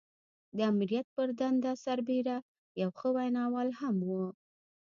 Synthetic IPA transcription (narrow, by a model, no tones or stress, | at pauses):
d̪əamɾijat̪̚pəɾd̪and̪asaɾbeɾa | jawxəwajnɑwɑlhamwu